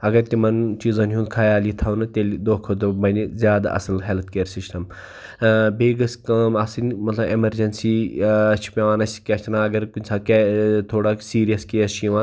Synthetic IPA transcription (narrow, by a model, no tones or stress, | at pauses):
ɐɡɐɾt̪imɐnt͡ʃiːzɐnɦũnd̪kʰaːjaːlit̪ʰɐːnɨt̪elʲid̪oːkʰod̪obɐnizjaːd̪a̰ʔɐ̰sɐlɦelt̪̚keːɾsisʈɐm | beːɡɐskɐmaːsinmɐt̪lɐbemɐɾd͡ʒɐnsit͡ʃʰi̥pʲeʋaːnɐsʲkʲɐʃt̪nãːɐɡɐɾkunʲsaːket̪ʰoːɽaːsiːɾijɐskeɐt͡ʃʰiʋa